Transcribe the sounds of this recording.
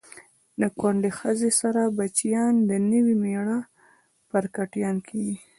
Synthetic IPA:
ləkwaɳɖexəzesaɾabat͡ʃjɑnd̪ənəwimeɽa | pəɾkaʈjɑnkʰeɡi

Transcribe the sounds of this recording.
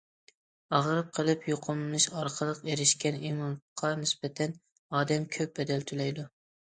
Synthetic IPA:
ɑʁəɾɨp̚qʰəlˠɨpjoqʰʊmnɨʃɑɾqʰəlˠəqeɾɪʃkʲɛnimɑnqʰɑnɪsbɛt̪ʰɛn | ɑːd̪ɛmkʲʰøp̚bɛd̪ɛlt̪ʰylɛjd̪u

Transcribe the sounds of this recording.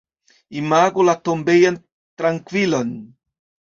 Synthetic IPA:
imaɡolat̪ombejan | t̪ɾaŋkwilon

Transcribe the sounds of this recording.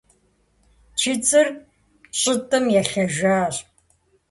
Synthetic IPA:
t͡ʃʰit͡sʼɨr | ɕʼɪtʼɨmjɛɬɐʒaːɕ

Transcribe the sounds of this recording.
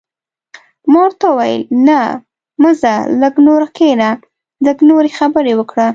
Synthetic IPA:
mɑɾt̪awajə̰lna | məzaləɡnoɾkena | ləɡnoɾexabəɾewəkɽa

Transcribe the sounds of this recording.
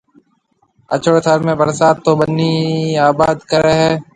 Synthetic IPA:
ə̰t͡ʃəɽt̪ʰəɾmẽːbəɾsaːt̪̚t̪ːoːbənːiaːbaːd̪kəɾəɦɛː

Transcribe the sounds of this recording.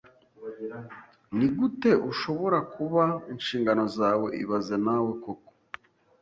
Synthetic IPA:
niɡute̞ʔuʃo̞βo̞ɾakʰuβainʃiːŋɡano̞zaːwe̞ʔḭβaze̞nawe̞koko̥

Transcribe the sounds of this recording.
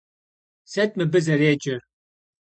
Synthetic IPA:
sɛt̪̚mɨbɨzɛɾeːd͡ʒɪ

